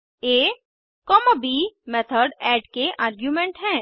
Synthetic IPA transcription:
eː | kɔːməbimɛt̪ʰəɾɖɛːɖkeʔaːɾɡjumẽɳʈɦɛ̃ː

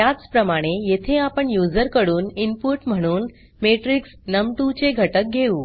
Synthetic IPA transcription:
jat͡spɾəmaɽ̃ejet̪ʰeapəɳjud͡zəɾkəɽuːninpuɾʈm̤əɽ̃uːn | meʈɾiksnəmʈut͡ɕeɡʱəʈək̚ɡʱeuː

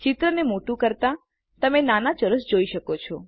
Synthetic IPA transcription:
t͡ʃɪt̪ɾənemoʈũkəɾt̪a | t̪əmenanat͡ʃəɾəsd͡ʒoiʃəkot͡ʃʰɔ

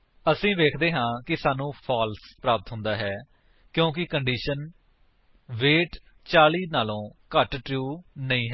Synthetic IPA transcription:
əsĩːʋeːkʰd̪eːɦãːkɪsaːnũːpʰaːlspɾaːpət̪ɦʊnd̪aːɦɛː | kjõːk̬ɪkəɳɖiːʃən | ʋeːʈ | t͡ʃaːliːnaːlõːkəʈʈɾjuːnəĩːɦɛː

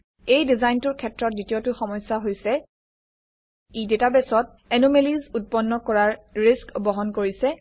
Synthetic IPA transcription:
ejdizajntʊɹkʰɛtɹɔtzitiotʊxɔmɔjsːaɦojsɛ | idetabɛsɔt̚ | ɛnomelizut̚pɔnːɔkɔɹaɹɹiskbɔɦɔnkoɹisɛ

